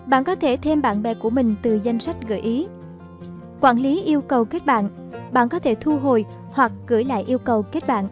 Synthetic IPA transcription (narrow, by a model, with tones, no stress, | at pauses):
ɓa̰ː˧˨nkɔ˨˦t̪ʰe˧˩t̪ʰe˧mɓa̰ː˧˨nɓɛ̰˧˨ku˧˩əmï˨˩ŋ̟t̪ɨ˨˩za˧jŋ̟sa˦˥jk̟̚ɣə̰ː˧˩˨jʔi˨˦ | kwaː˧˩nli˨˦ʔi˧əwkə˨˩wke˦˥t̚ɓa̰ː˧˨n | ɓa̰ː˧˨nkɔ˨˦t̪ʰe˧˩t̪ʰu˧ɦo˨˩j | hwa˨˩k̚ɣɨ˧˩jla̰ː˧˨jʔi˧əwkə˨˩wke˦˥t̚ɓa̰ː˧˨n